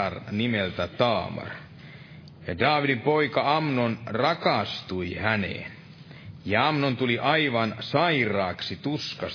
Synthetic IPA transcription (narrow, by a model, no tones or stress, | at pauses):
ɑrnimelt̪æt̪ɑːmɑ̰r | jɑdɑːʋidimpo̞ikɑɑmnonrɑkɑst̪uihænḛn | jɑɑmnont̪uliʔɑiʋɑnsɑirˑɑːksit̪uskɑs